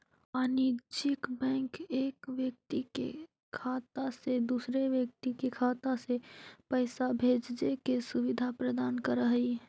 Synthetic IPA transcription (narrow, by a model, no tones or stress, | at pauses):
aːnid͡ʒɪkbɛ̃ːŋkeːkʋjək̚t̪ikḛ | kʰaːt̪ased̪usɾeʋjək̚t̪ikekʰaːt̪asepəɪsabʱeːd͡ʒd͡ʒekesʊʋɪd̪ʱapɾəd̪aːnkəɾəɦəi